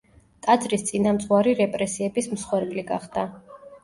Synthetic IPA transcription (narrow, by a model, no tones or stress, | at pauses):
t̪ʼad̪zʼɾist̪sʼinamt̪sʼʁwaɾiɾɛpʼɾɛsiɛbismsχwɛɾpʼliɡa̰χd̪̥a